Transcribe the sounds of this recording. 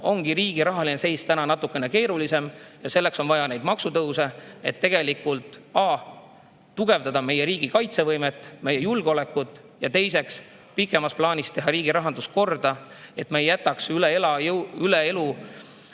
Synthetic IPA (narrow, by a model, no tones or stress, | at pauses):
o̞ŋɡ̥iɾiːɡ̥iɾɑɦɑlinese̞jst̪ænɑnɑt̪ːˑukːˑe̞ne̞ke̞ːɾulise̞mjɑse̞lːe̞kso̞nvɑjɑnejd̪mɑksut̪ɤwse̞et̪ːe̞ɡ̥e̞likult̪ˑɑː | t̪uɡ̥e̞vd̪ɑd̪̥ɑme̞je̞ɾiːɡ̥ikɑjt̪se̞vɤjmet̪ːˑme̞je̞julɡ̥eole̞kːˑut̪ːˑ | jɑt̪e̞js̬e̞ks | pikːˑe̞mɑsplɑːnʲist̪e̞ɦɑɾiːɡ̥iɾɑɦɑnd̪usko̞rd̪̥ɑe̞t̪mejjæt̪ːˑɑksyleelɑjylee̞lu